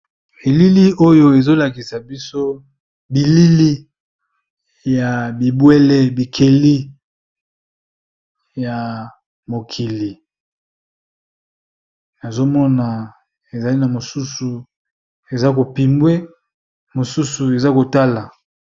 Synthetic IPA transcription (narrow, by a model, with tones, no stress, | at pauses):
e˨li˦li˦o˦jo˦e˨zo˦la˨ki˨sa˨bi˦so˦ | bi˨li˦li˦ | ja˨bi˨bwe˦le˦bi˨kʰe˨li˦ | ja˨ | mo˨kʰi˨li˨ | na˨zo˦mɔ˦na˨ | e˨za˨li˦na˨mo˨su˦su˨ | e˨za˦ko˨pi˨mbwe˦ | mo˨su˦su˨e˨za˦ko˨ta˦la˨